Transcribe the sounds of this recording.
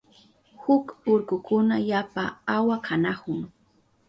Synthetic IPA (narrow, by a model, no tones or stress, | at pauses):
hʊkʊɾkʊkʊnajapaawakʰanakʊŋ